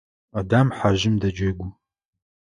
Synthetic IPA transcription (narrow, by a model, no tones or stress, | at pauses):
adaːmħaʒɪmdɐd͡ʒɐɡʷʊ